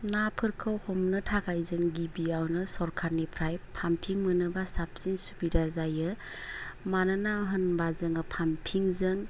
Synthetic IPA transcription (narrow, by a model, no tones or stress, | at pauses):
napʰɯɾkʰɯwhɔmnɯtʰakʰajzɯŋɡibiawnɯsɔɾkʰaɾnipʰɾajpʰampʰiŋmɯnɯbasap̚zinsu̥bidazajɯ | manɯnaɦɯnbazɯŋɯpʰampʰiŋzɯŋ